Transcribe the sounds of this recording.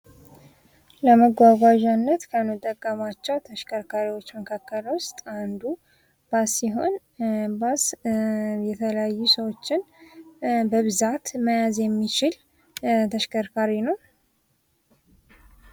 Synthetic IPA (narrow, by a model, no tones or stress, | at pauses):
ləməɡʷaɡʷaʒanːət̪kʰəməd̪ːəɡʼːəmat͡ʃːɛwt̪ʰəʃkʰəɾkʰaɾiwo̞t͡ʃːməkʰakːəlwʊst̪ʼand̪u | b̥asiɦo̞n | bas | jɛt̪ʰələjajːusəwo̞t͡ʃːɪn | bəβɨzat̪məjazjɛmːit͡ʃɪl | t̪ʰəʃkʰəɾkʰaɾinəw